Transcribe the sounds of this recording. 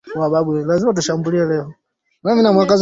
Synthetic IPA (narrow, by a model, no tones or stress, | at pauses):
waɓaɓulazimat̬uʃambuliɛlɛɔ | naminamwakaz